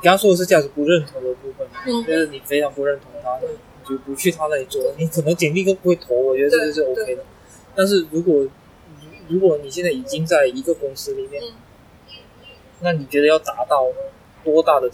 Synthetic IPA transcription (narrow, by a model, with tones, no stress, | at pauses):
ni˨˩k̪ʂwɔ˥də˨˩ʂɻ̩˥˧t͡ɕja˥˩ʈ͡ʂɻ̩˧˥pu˧˥ɻə˥˩nt̪ʰo˧˥ŋd̪ə˧pu˥˩fə˩nwɔ˨˩˨t͡ɕɥɛ˧˥d̪ə˧˩ni˨˩fe˥ɪʈ͡ʂʰɑ˧˥ŋpu˧˥ɻə˥˩nt̪ʰʊ˧˥ŋt̪ʰa˥˩wwɔ˨˩t͡ɕɛ˧˥˩ə˧˩pu˧˥t͡ɕʰy˥˩t̪ʰa˥na˥˩i˨˩t͡swɔ˥˩də˩ni˧˥kʰɤ˨˩nɤ˧˥ŋt͡ɕɛ˨˩npi˥˩kə˥pu˧˥xwe˥˩t̪ʰo˧˥ʊwɔ˨˩t͡ɕɥɛ˧˥d̪ə˧ʈ͡ʂɤ˥˧ɡə˧ʂ̬̩˥˩o˧˥ʊkʰe˥ɪd̪ə˨ | t̪a˥˧nʂ̬ɻ̩˥˩ɻu˧˥kwɔ˨˩ | ni˨˧˥ɻu˧˥kwɔ˨˧˥ni˨˩ɕjɛ˥˧nt͡sa˥˩ɪi˨˩t͡ɕi˥ŋt͡sa˥˩ɪi˧˥ɡə˨kʊ˥ŋsɹ̩˥li˨˩mjɛ˥˩n | na˥˩ni˨˩t͡ɕɥɛ˧˥d̪ə˧jɑ˥˩ʊt̪a˧˥t̪ɑ˥˩ʊ | t̪wɔ˥t̪a˥˩d̪ə˩